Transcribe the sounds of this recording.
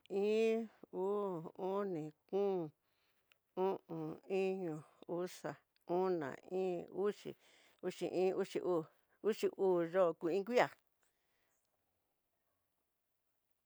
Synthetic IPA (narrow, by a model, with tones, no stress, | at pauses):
ĩː˦uː˦ũ˦nĩ˨kũ˦˨ | ũ˦ʔũ˨ĩ˦ɲũ˧u˦sa˨ | ũ˦nã̰˨ĩː˦u˦ʂḭ˨ | u˦ʂḭ˧˨ʔĩː˦u˦ʂi˧ʔuː˦˨ | u˦ʂi˧ʔuː˦ʐo˦˧ku˧˨ĩ˦k̬ʷi˦a˨